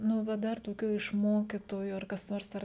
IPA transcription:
ˈnʊ ˈʋɐ ˈdɐr toːˈkʲuː ɪʃ ˈmoːkʲɪtoːjʊ ɐr kɐs ˈnoːrs ˈɐr

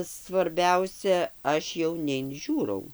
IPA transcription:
sʋɐrʲˈbʲɛʊsʲɛ ˈɐʃ jɛʊ nʲɛɪnʲˈʒʲuːrɐʊ

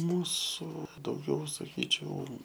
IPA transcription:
ˈmuːsʊ dɐʊˈɡʲɛʊ sɐˈkʲiːt͡ʃʲɛʊ

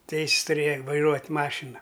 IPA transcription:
ˈtʲɛɪsʲs tʊˈrʲeːjɛ ʋɐɪˈruɔtʲ ˈmɑːʃʲɪnɐ

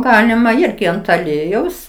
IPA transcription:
ˈɡɑːlʲɪmɐ ˈɪrʲɡʲɪ ɐnt ɐˈlʲiɛjɛʊs

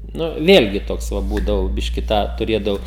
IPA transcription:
ˈnʊ ˈʋʲeːlʲɡʲɪ ˈtoːks ˈʋɐ ˈbuːdɐʋɐʊ ˈbʲɪʃʲkʲɪ ˈtɑː tʊˈrʲeːdɐʋɐʊ

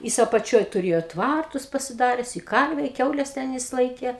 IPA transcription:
ˈjɪs ɐpɐˈt͡ʃʲoːj tʊˈrʲeːjoː ˈtʋɐrtʊs pɐsʲɪˈdɑːrʲɛs ɪ ˈkɐrʲʋʲɛ ɪ ˈkʲɛʊlʲɛs ˈtʲɛn jɪs ˈlˠɐɪkʲeː

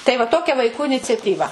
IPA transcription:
tɐɪ ʋɐ ˈtoːkʲɛ ʋɐɪˈkuː ɪnʲɪt͡sʲɛtʲiːˈʋɐ

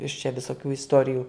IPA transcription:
ɪʃ t͡ʃʲɛ ʋʲɪsoːˈkʲuː ɪsˈtoːrʲɪjuː

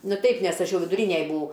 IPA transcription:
ˈnʊ ˈtʲɛɪp nʲɛs ˈɐʃ ˈjɛʊ ʋʲɪdʊˈrʲiːnʲɛj bʊˈɐʊ

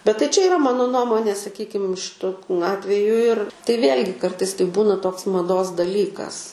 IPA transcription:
bʲɛt tɐɪ t͡ʃʲɛ iːˈrɐ ˈmɑːnoː ˈnuɔmoːnʲeː sɐˈkʲiːkʲɪm ʃʲɪˈtʊ ˈɑːtʲʋʲɛjʊ ɪr tɐɪ ˈʋʲeːlʲɡʲɪ ˈkɐrtɐɪs tɐɪ ˈbuːnɐ ˈtoːks mɐˈdoːs dɐˈlʲiːkɐs

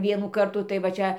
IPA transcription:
ˈʋʲiɛnuː ˈkɐrtuː tɐɪ ʋɐ ˈt͡ʃʲɛ

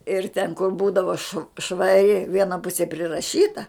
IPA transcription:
ɪr tʲɛn kʊr ˈbuːdɐʋɐ ʃʋ ʃʋɐˈrʲɪ ˈʋʲiɛnɐ ˈpʊsʲeː pʲrʲɪrɐˈʃʲiːtɐ

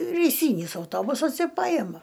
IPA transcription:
rʲɛɪˈsʲiːnʲɪs ɐʊˈtoːbʊsɐs ɪr ˈpɑːjɛmɐ

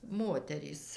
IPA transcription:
ˈmoːtʲɛrʲiːs

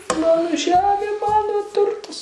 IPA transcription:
ˈmɑːnoː ˈʒʲæːmʲeː ˈmɑːnoː ˈtʊrtɐs

